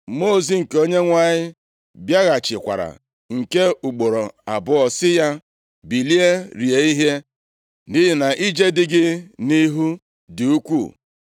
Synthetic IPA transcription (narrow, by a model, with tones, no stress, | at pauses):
mo˦˨zi˨ŋ̩˨ko˦ɲe˦ŋʷa˦ɲɪ˦ | bja˦ɣa˨t͡ʃɪ˨kʷa̰˨ɾa̰˨ | ŋ̩˨ke˦u˨k͡po˨ɾo˨a˨bʊ˦ɔ˨sɪ˦ja˦ | bi˨li˦e˦ɾi˨e˨˦i˦ɦe˦ | nɪ˦ɦɪ˨na˨ʔi˦d͡ʒe˦dɪ˦ɡɪ˦ni˦ɦu˦ | dɪ˨u˦kʷṵ˦˨